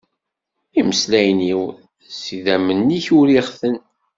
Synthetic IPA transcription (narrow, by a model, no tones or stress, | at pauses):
iməslæjniw | siðæmənːiçuɾiʁθən